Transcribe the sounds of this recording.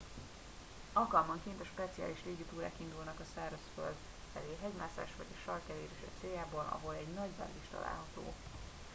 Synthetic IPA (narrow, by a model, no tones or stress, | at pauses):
ɒlkɒlmɒŋkint̪ɛʃpɛt̪sia̰ːliʃleːɡit̪uːɾa̰ːkind̪ulnɒkɒsɛːrosfø̰l | fɛleːɦɛɟmaːsa̰ːʃvɒɟeʃɒrkɛleːɾiʃɛ̰t̪seːjaːboːlɒ̰ɦo̞lɛɟnɒɟbɛ̰lliʃt̪ɒ̰la̰ːlɦɒt̪o̰ː